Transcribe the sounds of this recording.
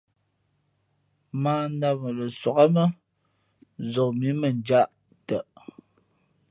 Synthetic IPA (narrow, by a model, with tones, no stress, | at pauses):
maː˦n˦da˦ə˨lə˨swɔ˨ɣa˦mə˦ | zɔ˨mi˨˦mə˨nd͡ʒa˦˨ʔ | tə˨